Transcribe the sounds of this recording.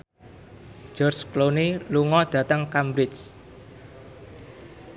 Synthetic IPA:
d͡ʒ̥ɔrt͡ʃkloniluŋɔd̪̥ä̤t̪əŋkambɾɪt͡ʃ

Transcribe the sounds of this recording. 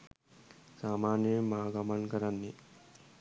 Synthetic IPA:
saːmaːnjɐmaːɡɐmɐnkɐɾanːi

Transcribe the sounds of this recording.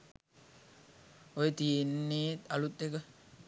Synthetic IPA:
ojet̪ienːeːt̪alut̪ekə

